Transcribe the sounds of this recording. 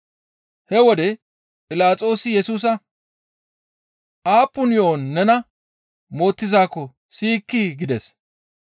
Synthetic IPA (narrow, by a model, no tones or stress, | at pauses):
hɛwɔd̪ɛ | pʼɪlaːt͡sʼo̞ːsɪjɛsuːs̬ɐ | ʔaːpːʊnjo̞ːnːɛnɐ | mo̞ːt̪ːɪzaːkːɔ | siːkːiɡɪd̪ɛs